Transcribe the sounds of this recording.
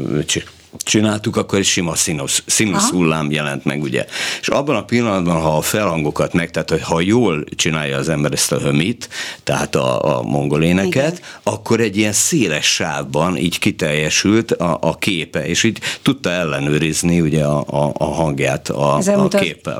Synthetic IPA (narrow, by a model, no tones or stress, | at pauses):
t͡ʃ | t͡ʃinaːlt̪ukɒkːo̞ɾʃimɒsinossinoshulːaːmjɛlɛnt̪mɛ̰ɡuɟɛ̰eʃɒbːɒnɒpilːɒnɒd̪bɒnɦɒːfɛlhɒŋɡo̞kɒt̪mɛk̚t̪ɛaːt̪ho̞chɒjoːlt͡ʃinaːjɒːzɛmbɛɾɛst̪ɒɦø̞mit̪ːɛɦa̰ːt̪ɒ̰mʔo̞ŋɡo̞leːnɛkɛt̪ɒkːo̞ɾɛɟːijɛnseːlɛʃːaːvbɒnʔḭːɟkit̪ɛrjːɛʃylt̪ɒʔɒkʰeːpɛḛːʃiːɟt̪ut̪ːɒɛlːɛnøːɾizniuɟɛɒːɦɒŋɡjaːt̪ʰɒkeːpːɛ̰l